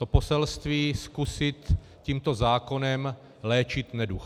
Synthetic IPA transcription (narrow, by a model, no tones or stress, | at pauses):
t̪opo̞sɛlst̪viːskusɪt̪ | ciːmt̪o̞zaːko̞nɛm | lɛːt͡ʃɪt̪nɛdux